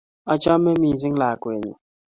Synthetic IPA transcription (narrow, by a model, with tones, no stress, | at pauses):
a˦t͡ʃa˦mɛ˦mi˨zi˦ŋ˦la˨kwe˨ɲṵ˨